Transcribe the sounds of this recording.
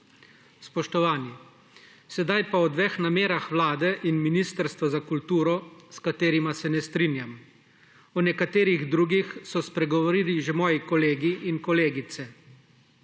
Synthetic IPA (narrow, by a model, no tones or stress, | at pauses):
spɔʃt̪ɔʋaːni | sɛd̪ajpaɔd̪ʋexnameːɾaxʋlaːd̪ɛʔinminiːst̪əɾst̪ʋɔzakult̪uːɾɔskat̪eːɾimasɛnɛst̪ɾiːnjam | ɔnɛkat̪eːɾiɣd̪ɾuːɡixsɔspɾɛɡɔʋɔɾiːliʒɛmɔːjikɔleːɡiʔːnkɔleːɡit̪sɛ